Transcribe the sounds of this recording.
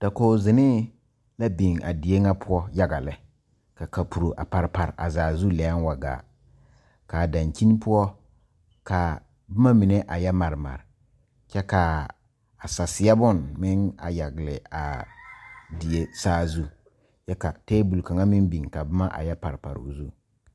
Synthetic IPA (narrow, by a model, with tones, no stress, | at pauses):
d̥a˨ko˨zɪ˨nɪ˦ | la˦bi˨ŋa̰˨di˨e˦ŋa˦pʰʊ˦ɔ˦ja˦ɡa˨lɪ˦ | ka˨ka˨pu˨ɾo˨ʔa̰˨pa˨ɾpa˨ɾʔa̰˨zaː˨zu˦lɛ˨a˦n˦wa˨ɡa̰ː˨ | ka˨da˨nki˦n˦pʊ˦ɔ˦ | ka˨ | bʊ˦ma˦mi˨ne˦ʔa˨jɛ˦ma˨ɾɪ˨ma̰˨ɾɪ˨ | t͡ʃɛ˦ka˨ | a˨sa˨sɪ˨ja˦bʊ˦˨nmɪ˦ŋa˨ja˨ɡlɪ˨a̰˨ | di˨e˦saː˦zu˦ | t͡ʃɛ˦ka˨teː˦bu˨lka˨ŋa˦mɪ˦nbi˨ŋka˨bʊ˦ma˦ʔa̰˨jɛ˦pa˨ɾpa̰˨ɾ̰ṵ˨zu˦˨